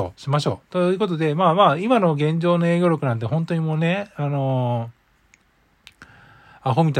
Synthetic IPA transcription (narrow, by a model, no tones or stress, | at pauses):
o̰ɕimaɕo̞̰ːt̪ojɯ̟ko̞t̪o̞d̪e̞maːmaːimano̞ɡẽ̞ɲ̟d͡ʑo̞ːno̞e̞ːɡʲo̞ːɾʲjo̞kɯnãnt̪̬eɦõ̞nt̪o̞ɲ̟imoːne̞ano̞ | aɦo̞mʲit̪a